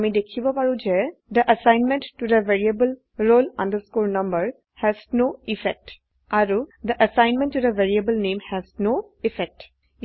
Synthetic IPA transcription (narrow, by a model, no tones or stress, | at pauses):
mẽd̪ekʰibɔpaɹũd͡ʒɛd̪əʔəsãɪnmẽnʈːud̪əʋeɾiəbəl | ɾolɔ̰̃nd̪əskuɾnʌ̃mbəɾ | hɛznoifɛk̚ʈ | aɾud̪əʔəsãɪ̃nmɛ̃nʈːud̪əʋeɾiəbəlnẽːmhɛznoifɛk̚ʈ